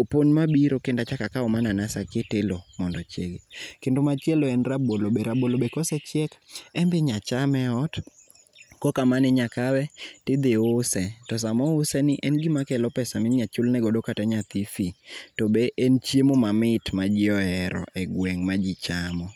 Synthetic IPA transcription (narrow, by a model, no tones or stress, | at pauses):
oponmabiɾokɪndat͡ʃakakaɔmananasakɪtɪlomɔndɔt͡ʃḛɡekɪndomat͡ʃjɛloɛnrabolobeɾabolobekɔsɛt͡ʃjɛkɛmbɪɲat͡ʃamɛɔt | kɔkamanɪɲakawɛtɪd̪ɪʊsɛtɔs̬amɔʊsɛnɪʔɛnɡɪmakɛlɔpɛsamɪnɲat͡ʃʊlnɛɡɔdokatɛɲat̪ifitɔbeʔɛnt͡ʃjemomamɪtmad͡ʒɪɔɛɾɔ̰ʔɛɡwɛŋmad͡ʒit͡ʃamɔ